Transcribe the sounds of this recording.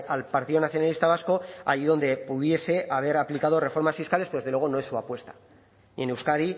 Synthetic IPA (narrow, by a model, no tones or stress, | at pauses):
alpaɾt̪iðo̞naθjonalist̪aβ̞asko̞a̰ʝiðo̞nd̪e̞puðje̞se̞ʔaβ̞e̞ɾaplikað̞o̞re̞fo̞ɾmasfiskalespeoezðlwe̞o̞no̞e̞sːuapwe̞st̪ḁ | nie̞ne̞wskaði